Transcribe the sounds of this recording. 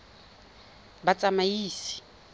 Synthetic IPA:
bat͡sʼamaiːsi̥

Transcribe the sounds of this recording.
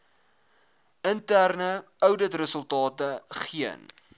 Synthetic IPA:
əntærnəœwdətrəsəlˠtɑːtəχiə̰n

